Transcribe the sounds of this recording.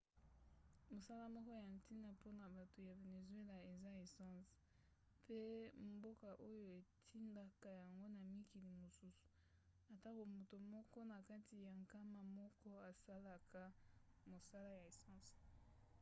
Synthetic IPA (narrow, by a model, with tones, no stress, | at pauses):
mo˨sa˦la˦mɔ˦kɔ˦ja˨n˨ti˦na˨po˦na˨ba˨to˨ja˨ve˨ne˨zwe˦la˨e˨za˦e˨sã˦s | pe˦mbo˦ka˨ʔo˦jo˦e˨tʰi˦nda˨ka˦˨ja˨ŋɡo˦na˨mi˦ki˨li˨mo˨su˦su̥˨ | a˨ta˦ko˨mo˨to˨mɔ˦kɔ˦na˨ka˦ti˨ja˨ŋka˦ma˨mɔ˦kɔ˦a˨sa˦la˨kʰa˦mo˨sa˦la˦ja˨e˨sɑ̃˦˨s